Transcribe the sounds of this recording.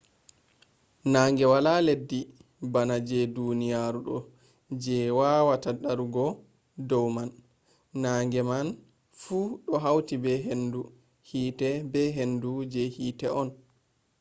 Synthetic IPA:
naːŋɡɛwalaledːi | banad͡ʒɛdunijaɾuɗɔ̰ | d͡ʒɛwawataɗaɾuɡɔ | dɔwmanː | aːŋɡɛman | fuɗɔɦawtibɛɦendu | hiːtɛbɛɦendud͡ʒɛhiːtɛʔɔn

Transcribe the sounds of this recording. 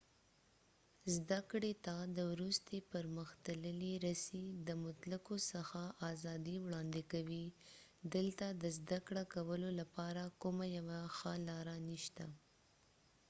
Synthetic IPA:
zd̪akɽet̪ad̪əwɾust̪epəɾməxt̪ələliɾasid̪əmʊt̪lakosəxaʔɑzɑd̪iwɽɑnd̪ɪkawi | d̪əlt̪ad̪əzd̪akɽakawəlolapɑɾakʊmajawaxəlɑɾaniʃt̪a

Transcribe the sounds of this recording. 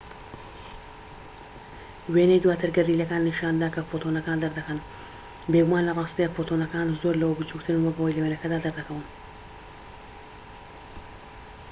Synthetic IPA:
wenejd̪wat̪ʰəɾɡaɾilakaːnːɪʃɑnd̪akafot̪onakaːnd̪aɾd̪akan | beɡʊmɑːnlaʁɑːst̪efot̪onakɑnzoɾlawobut͡ʃukt̪ʰənwəɡawjlawenakad̪ad̪aɾd̪akawən

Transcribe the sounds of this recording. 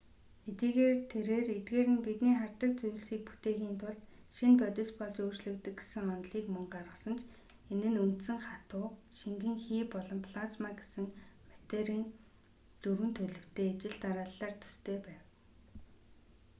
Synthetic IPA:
et̪iːɣeːrt̪ʰeɾeːret̪ɡeːɾɘ̆npit̪niːχar̥t̪ə̆k̚t͡suj̆ɮsiːk̚pu̥t̪eːɣiːnt̪ʰʊɮt̪ | ʃinpœt̪ʲɪ̆spɔɮt͡ɕoːrt͡ɕɮɵ̆kt̪ɘ̆kɡe̥sɘ̆ŋɔnt̪ɮiːkmɔɴɢarʁə̆sə̆nt͡ɕ | enɘ̆nunt̪sɘ̆ŋχat̪ʊːʃiŋɡɘ̆ŋxiːpɔɮɞ̆mpʰɮat͡smaɡe̥sɘ̆ŋmat̪eɾiːn | t̪uɾwɘ̆nt̪ʰɵɮɵ̆w̥t̪ʰeːet͡ɕɪ̆ɮt̪aɾaːɮːaːrt̪ʰɵ̥st̪ʰeːpæːw

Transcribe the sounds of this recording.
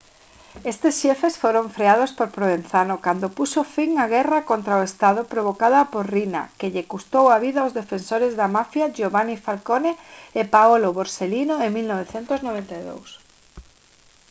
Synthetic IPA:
est̪esʃɛfesfoɾoɱfɾeað̞ospoɾpɾoβen̟θanokand̪opusofiŋaɣ̞ɛrakont̪ɾaoest̪aðʊpɾoβokaðɐpoɾrina̰keʎekust̪owaβiðaozðefensoɾezðamafjaʒoβanifalkoneːpaoloβoɾselinoemilnoβ̞eθent̪ʊznoβent̪aðo̰ws

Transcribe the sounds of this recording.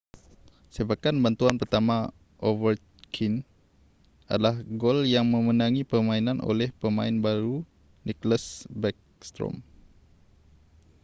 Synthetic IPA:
sibakanbant̪uanpərt̪ama | ʔovər | kʰin | a̰dalahɡoljaŋmə̃mənaŋipəmãinanʔo̰lɛhpəma̰ɪnbaɾu | nikləsbɛk̚st̪ɾɔ̰m

